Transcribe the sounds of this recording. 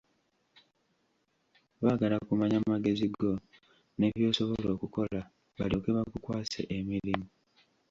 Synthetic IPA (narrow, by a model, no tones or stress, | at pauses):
βaːɡalakumaɲammaɡe̞ziɡo̞ | ne̞βjo̞ːso̞βo̞lo̞ːkuko̞la | βa̰lio̞ːkeβakukwaːsḛʔemiɾimu